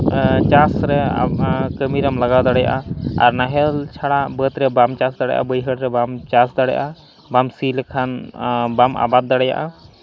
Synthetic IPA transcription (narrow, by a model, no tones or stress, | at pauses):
t͡ʃasɾɛ | kəmiɾamlaɡawd̪aɽɛja̰ʔaa̰ɾnaɦɛlt͡ʃʰaɽabət̪ɾɛbamt͡ʃasd̪aɽɛjaʔa̰bəjɦəɽɾɛbamt͡ʃasd̪aɽɛjaʔa | bamsilɛkʰanbamʔa̰bat̪̚d̪aɽɛja̰ʔa